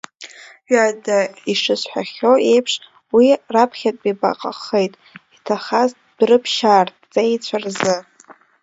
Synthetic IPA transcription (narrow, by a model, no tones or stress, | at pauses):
ɥadaiʂɨsħʷᶣaχʲoejpʰʂ | wirapʰχʲatʼbʼiba̰qʼa̰χejtʼitʰaχaztʰʼd̥rɨpʰʃaːrtʰʼt͡sʼaejt͡sʷʰarzɨ